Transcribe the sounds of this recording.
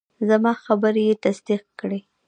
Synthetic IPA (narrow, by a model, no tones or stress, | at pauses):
zamɑxabəɾjet̪asd̪iq̚kɽe